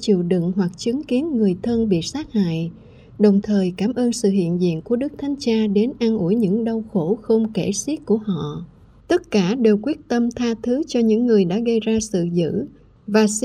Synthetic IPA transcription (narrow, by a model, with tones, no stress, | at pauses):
t͡ɕḭ˧˨əwɗɨ̰˧˨ŋɦwa˨˩k̚t͡ɕɨ˨˦ŋki˨˦ənŋɨ˨˩əjt̪ʰə˧nɓḭ˧˨saː˦˥k̚ha̰ː˧˨j | ɗə˨˩wŋ͡mt̪ʰəː˨˩jkaː˧˩mʔəː˧nsɨ̰˧˨ɦḭ˧˨ənzḭ˧˨ənku˧˩əɗɨ˦˥k̚t̪ʰa˨˦jŋt͡ɕaː˧ɗe˨˦nʔaː˧nʔu˧˩əjɲɨ̰˧˥ŋɗə˧wxo˧˩xə˧wŋ͡mke˧˩si˦˥k̚ku˧˩əɦɔ̰˧˨ | t̪ə˦˥t̚kaː˧˩ɗe˨˩wkwi˦˥ət̚t̪ə˧mt̪ʰaː˧t̪ʰɨ˨˦t͡ɕɔ˧ɲɨ̰˧˥ŋːɨ˨˩əjɗa̰ː˧˥ɣə˧jzaː˧sɨ̰˧˨zɨ̰˧˥ | vaː˨˩s